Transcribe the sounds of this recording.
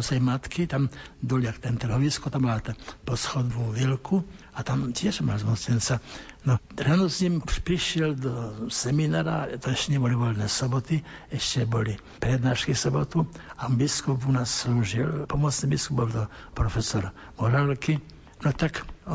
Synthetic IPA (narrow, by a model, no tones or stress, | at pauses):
sɛjmat̪kit̪amd̪ɔliakt̪ɛnt̪ɾ̩ɦɔʋiskɔt̪ammalat̪ɛpɔsxɔd̪ʋuʋilkʰu | at̪amt̪jɛʃma̰lzmuslɛnt͡sanɔ | ɾaːnɔzɲimʃpɾiʃɪjɛld̪ɔsɛminaːɾat̪ɔɛʃcɛɲɛbɔliʋɔlnɛːsɔbɔt̪i | ɛʃcɛbɔli | pɾɛd̪naːʃkisɔbɔt̪uabiskupunaːsːluːʒilpɔmɔt͡snibiskubbɔlt̪ɔpɾɔfɛsɔɾ | mɔɾalki | nɔt̪ak